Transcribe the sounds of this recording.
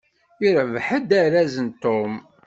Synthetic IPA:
iɾvħəd̪æɾæzənt̪om

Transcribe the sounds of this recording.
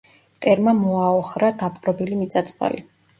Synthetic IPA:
t̪ʼɛɾmamɔaɔχɾad̪apʼqʼɾɔbilimit̪sʼat̪sʼqʼa̰lḭ

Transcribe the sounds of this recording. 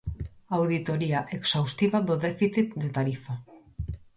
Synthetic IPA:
awðit̪o̞ɾiaʔe̞ksawst̪iβaðoðe̞fiθit̪d̪e̞t̪aɾifa

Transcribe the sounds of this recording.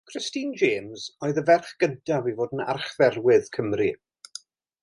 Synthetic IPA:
kʰr̥ɪstind͡ʒeːmzoːɨðəvɛrχɡ̥əntʰavivoːdən̩a̰rχvɛrwɪðkʰəmri

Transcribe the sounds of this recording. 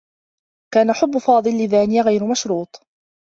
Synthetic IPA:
kaːnaħʊbːʊfɑːd̪ˤɨlːɪðaːnɪjaɣajɾmaʃɾuːt̪ˤ

